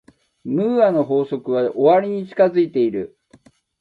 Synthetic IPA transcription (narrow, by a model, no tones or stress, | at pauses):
mɯ̟ːano̞ɦo̞ːso̞kɯ̟βaʔoβaɾʲiɲ̟it͡ɕi̥kazɨit̪e̞iɾɯ̟